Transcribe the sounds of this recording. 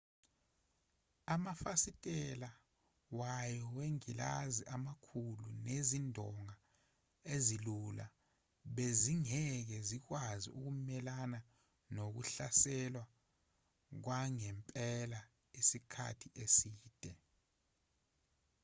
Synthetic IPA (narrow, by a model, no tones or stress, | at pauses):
amafasitʼɛla | wajɔweŋila̰ziʔamakʰulunezindʱɔŋa | ezilula̰ | ɓeziŋɛk̬ɛzik̬wazḭʔuk̬umɛlana | nok̬ṵɬasɛlwa | k̬waŋɛmpʼɛla | isikʰa̰tʰiʔesiːd̥ʱɛ